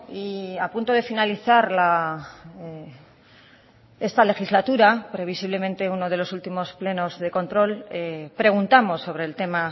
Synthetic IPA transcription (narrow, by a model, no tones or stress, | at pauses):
iapunt̪o̞ðe̞finaliθaɾla | e̞st̪ale̞xizlat̪uɾapɾe̞β̞isiβle̞mẽ̞nt̪e̞uno̞ðe̞lo̞sult̪imo̞sple̞no̞zðe̞ko̞nt̪ɾo̞lepɾe̞ɣ̞unt̪amo̞sːo̞βɾe̞ːlt̪e̞ma